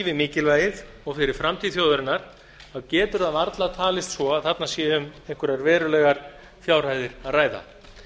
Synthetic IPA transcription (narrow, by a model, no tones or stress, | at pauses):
vɪmɪːcɪlvaːjɪð | ɔɣfɪɾɪɾ̥fɾamt̪ʰiːðθjoːwðʏɾɪnːaɾ̥ | aðcɛːt̪ʏɾaðaɾt̪lat̪ʰaːlɪst̪svɔaðθat̪nasjɛːʏmeŋkʏɾaɾvɛːɾʏlɛːɣaɾ̥ | fjaːwr̥aːjðɪɾ̥aðraːjða̰